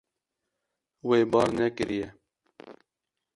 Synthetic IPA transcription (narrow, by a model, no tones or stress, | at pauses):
weːbɑːɾnɛkɨɾijɛ